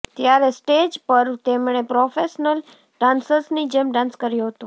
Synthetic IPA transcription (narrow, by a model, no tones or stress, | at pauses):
t̪jaɾesʈed͡ʒpəɾt̪emɳ̃epɾofeʃnəl | ɖãnsəɾsnid͡ʒemɖãnskəɾjoɦət̪õ